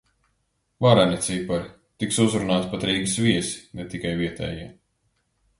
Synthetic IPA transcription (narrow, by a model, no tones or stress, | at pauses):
vaɾanʲit̪sipaɾ | t̪iksuzɾunaːt̪pat̪ɾiːɡɨsviɛsi̥nɛt̪ikajviɛt̪ɛ̰ːjiɛ